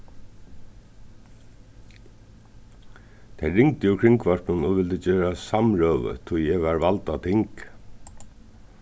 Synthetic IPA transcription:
t̪ʰɛɾɪŋt̪ɪjʊkʰɾɪŋkvɔɹ̥knʊnɔvʋɪlt̪ɪt͡ɕeːɾasamɹœːvə̰t̪ʰʊjɛʋaɹvalt̪at̪ʰɪŋk

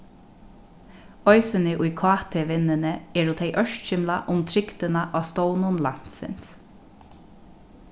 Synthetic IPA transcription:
ɔʏsɪnɪʔʊjkʰɑːt̪ʰeʋɪnɪnəɛːɾut̪ʰeɪʔœʃtʃɪmlaʔʊmt̪ʰɾɪkt̪ɪnaʔɑːst̪ownʊnla̰n̥t̪sɪ̰ns

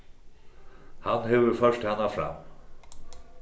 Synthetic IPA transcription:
hanhɛvʏɾfœʂt̪hɛnːafɾa̰m

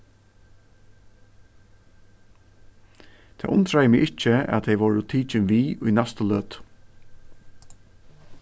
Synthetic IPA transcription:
t̪ʰa̰ːʔʊnt̪ʰɾajəmɪɡɪt͡ʃəæ̰t̪ʰɛjʋɔːɹʊt̪ʰiːt͡ʃɪnʋiːujnæst̪əløːt̪

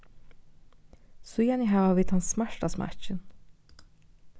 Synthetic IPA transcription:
sʊjanɪɦaːvaviːt̪hanssmaʂt̪asma̰t͡ʃɪn

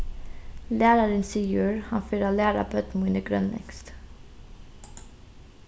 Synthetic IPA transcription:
læːɾaɾənsɪjøːɾhɑnfɪɾalæːɾa̰bœt̪munəɡɾœ̰nlɛ̰ŋst̪

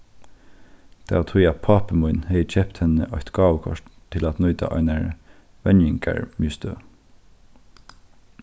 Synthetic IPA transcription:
d̪̥æ̰ːt̪ʰujɑpʰɑːpəmʊʏnheɪt͡ʃʰɛpt̪hɛnə̰ʔɑɪt̪ɡ̥ɑːʋəkʰɔ̰ʃtt̪ʰɪlɑt̪nœʏd̪ɑ̰ʔɑ̰ɪnæɹ | ʋɛnjɪŋkæ̰ɹmyːst̪øː

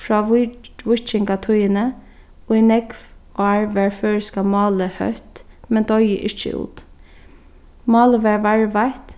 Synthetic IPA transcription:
fɹɑːʋʊʋʊt͡ʃɪŋkat̪ʰʊjənə | ʊjnɛkʋaɹʋæːɹføːɹɪskamɑːləhœ̰ht̪mɛnd̪ɔjə̰ʔɪt͡ʃə̰ṵːt̪ | mɑːləʋɛːɹʋaɹʋajt̪

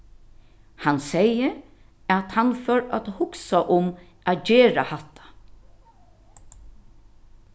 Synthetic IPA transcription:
hansɛjə | æt̪hanfœɾa̰t̪hʊksaʔʊm | æːt̪d͡ʑɛːɾa̰hat̪ʰːḁ

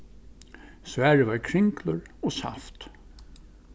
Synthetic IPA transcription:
svæːɹəvaɹkʰɾɪŋklʊɹɔsa̰ft̪

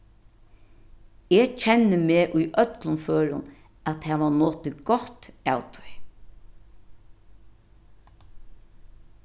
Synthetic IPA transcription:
et͡ʃʰɛnːəmeːʔʊjʔœt̪lʊnføːɾʊ̰n | at̪hɛːʋanoːt̪ɪɡɔht̪aːwt̪ʰɔ̥j

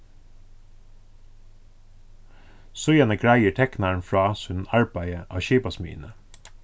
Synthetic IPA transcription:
sʊʏɑnəkʰɽæɪəʈʰɛknɑɳfɹɑːsʉnɑɹbæɪəʔɑːʃiːpɑsmy̰ːnə

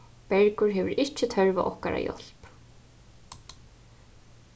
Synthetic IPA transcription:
pɛɾkʏɾɦɛvʏɾʔɪt͡ɕɪt̪ʰœɹvaʔɔhkaɾa̰jɔ̰l̥p

